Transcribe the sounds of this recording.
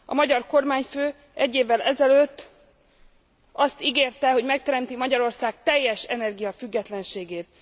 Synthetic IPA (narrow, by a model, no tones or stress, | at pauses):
ɒ̰mɒɟɒrko̞rmaːɲføː | ɛɟːeːvːɛlʔɛzɛløːt̪ː | ɒst̪iɡeːrt̪ɛɦo̞ɟmɛkt̪ɛɾɛmt̪imɒɟɒɾo̞rsaːk̚t̪ɛjːɛʃɛnɛrɡijɒfyɡːɛt̪lɛnʃeːɡeːt̪